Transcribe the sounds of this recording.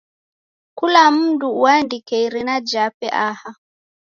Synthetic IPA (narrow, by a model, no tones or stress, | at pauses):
kulam̩ːduwandikɛjɾinad͡ʒapɛʔaha